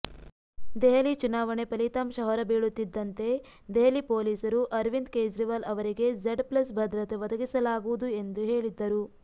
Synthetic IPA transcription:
d̪ɛɦɐlit͡ʃunaːʋɐɳepɐlit̪ɐmʃɐɦɐɾɐbiːɭut̪ːid̪ːɐnt̪e̞ | d̪eɦɐlipoːliːsɐɾuʔɐɾʋind̪keːd͡ʒɾiʋɐlɐʋɐɾiɡe̞d͡ʒeɖplɐsbʱɐd̪ɾɐt̪ɐʋɐd̪ɐɡisɐlaːɡuʋud̪ue̞nd̪uɦe̞ːɭid̪ːɐɾu

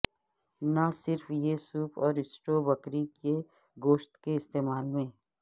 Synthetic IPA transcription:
nasɪɾfjesuːpʰɔːɾɪsʈoːbɐkɾike | ɡoːʃt̪keɪst̪eːmaːlmẽː

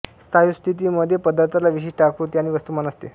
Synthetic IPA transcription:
st̪ʰajust̪ʰit̪̬iməd̪ʱːjepəd̪aɾt̪ʰalaʋiɕ̬iːʂʈʰakɾut̪iaɽ̃iʋəst̪umanəst̪e

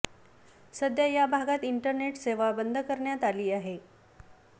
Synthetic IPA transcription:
səd̪jajabʱaɡat̪iɳʈəɾneʈseʋabənd̪ʱəkəɾɳjat̪aliːaɦe

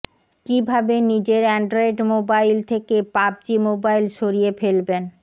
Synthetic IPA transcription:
kibʱabenid͡ʑeɾɛɳɖɾoeɖmobajlt̪ʰekepab̚d͡ʑimobajlʃoɾiefelben

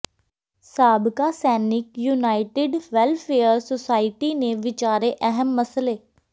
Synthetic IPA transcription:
saːbkaːsɛːnɪkjuːnaːɪʈɪɖʋɛlpʰeːəɾsosaːɪʈiːneːʋɪt͡ʃaːɾeːʔɛɦəmːəsleː

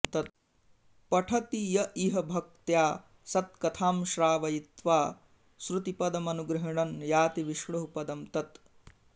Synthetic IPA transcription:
t̪ɐt̪̚ | pɐʈʰɐt̪ijɐʔiɦɐbʱɐk̚t̪jaː | sɐt̪̚kɐt̪ʰaːmʃɾaːʋɐjit̪ʋaː | sɾut̪ipɐd̪ɐmɐnuɡɾɐɦiɳɐnjaːt̪iʋiʃɽɐɦupɐd̪ɐmt̪ɐt̪

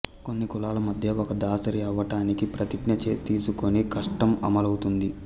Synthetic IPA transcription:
ko̞nːikulaːlɐmɐd̪ʱjɐɔkɐd̪aːsɐɾiɛʋːɐʈaːnikipɾɐt̪iɡnɐt͡ʃeːt̪iːsuko̞nikɐʂʈɐmɐ̰mɐlɐwut̪und̪i

